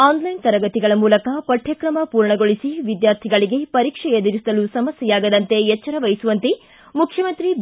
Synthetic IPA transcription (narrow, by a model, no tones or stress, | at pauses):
aːnlɐjnt̪ɐɾɐɡɐt̪iɡɐɭɐmuːlɐkɐpɐʈʰjɐkɾɐmɐpuːɾɳɐɡo̞ɭisiʋid̪jaːɾt̪ʰiɡɐɭiɡe̞pɐɾiːkʂɛed̪iɾisɐlusɐmɐsjɐjaːɡɐd̪ɐnt̪e̞jɛt͡ʃːɐɾɐʋɐjisuʋɐnt̪i | mukʰjɐmɐnt̪ɾi